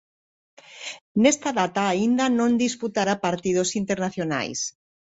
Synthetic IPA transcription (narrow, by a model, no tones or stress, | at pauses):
nest̪aðat̪aːind̪anõnd̪isput̪aɾapaɾt̪ið̞osint̪eɾnaθjona̰js